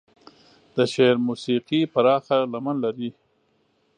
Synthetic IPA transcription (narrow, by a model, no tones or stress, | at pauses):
d̪̥əʃeɾmusiqipaɾɑxalamanlaɾi